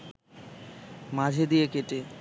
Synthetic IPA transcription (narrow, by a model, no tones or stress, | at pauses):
mad͡ʑʱed̪ijekeʈe